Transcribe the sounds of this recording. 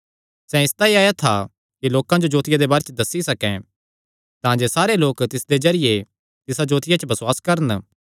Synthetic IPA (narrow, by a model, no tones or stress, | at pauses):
sɛ̃ɪst̪aiaːjat̪ʰa | kiloːkãd͡ʒod͡ʒoːt̪ɪjad̪ebaːɾet͡ʃd̪ɐsːisɐkɛ̃ | t̪ãːd͡ʒesaːɾeloːkt̪ɪsd̪ezɐɾɪje | t̪ɪsad͡ʒoːt̪ɪjat͡ʃbɐswaːskɐɾən